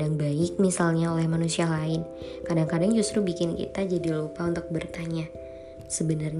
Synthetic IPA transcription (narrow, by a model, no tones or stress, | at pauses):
aŋbaɪk̚misalɲaolɛhmanusialaɪnkadaŋkadaŋd͡ʒust̪ɾubikɪnkḭt̪ad͡ʒadilupaunt̪ʊk̚bərt̪aɲa | səbənarɲ